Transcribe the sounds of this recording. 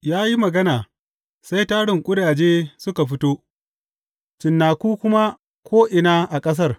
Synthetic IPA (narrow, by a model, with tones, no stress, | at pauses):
jaː˦ji˦mɐ˨ɡɐ˦naː˨ | sa˦jtaː˦ɽɪ˨ŋkʷʼʊ˦ɽaː˨d͡ʒeː˦sʊ˦ka˨ɸɪ˦toː˦ | t͡ʃɪ˨nːaː˨kuː˦kʷʊ˦ma˦ | kʰʷoː˦ʔɪ˨na˦ʔa˨kʼɐ˦s̬ɐ˦r